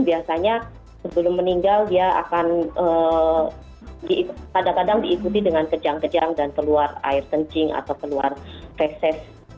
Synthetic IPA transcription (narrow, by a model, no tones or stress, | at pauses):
biasaɲa | səbəlʊmːəniŋɡaldiaa̰kanə | dikkadaŋkadaŋdiːkut̪̬idəŋankəd͡ʒaŋkəd͡ʒaŋdankəluara̰ɪrt̪əɲt͡ʃɪŋa̰t̪awkəluarpɛsɛs